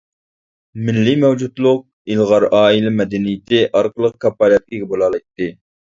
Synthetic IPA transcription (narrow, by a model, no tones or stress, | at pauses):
mɪlːimɛwd͡ʒut̪lˠʊq̚ | ilˠʁɑɾɑːilɛmɛd̪ɛnijɪt̪ʰɪʔɑɾqəlˠəq̚kʰɑpːɑlɑt̪̚kʲiɡʲɛbolˠɑːlˠɑjt̪ːɨ